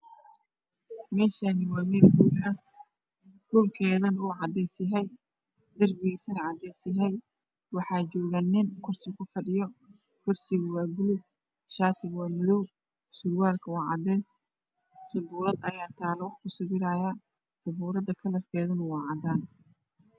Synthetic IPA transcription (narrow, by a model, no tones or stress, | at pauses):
mɛːʃanɪwaːmɛːlbuːħɐ | ɖʊlkʰɛːðɐnuːʕɑd̪ɛːsjɐɦɛj | d̪ɐrbɪɣsɐnɐʕɑd̪ɛːsjɐɦɛj | wɑħɑːd͡ʒɔːɣanɪnkʰʊrsɪkʰʊfɐɖɪjɔ | kʰɔrsɪɣʊwaːɡʊlʊ | ʃaːt̪ʰɪɣwaːmɐðɔw | sʊɾwaːlkʰɐwɑːʕɑ̰d̪ɛːs | sʊbuːɾɐd̪ɐjaːt̪ʰaːlɐwɑħkʰʊsɪɣɪɾaːja | sɐbuːɾɐd̪ɐkʰɐlɐrkʰɛːðɐnʊwɑːʕɑd̪aːn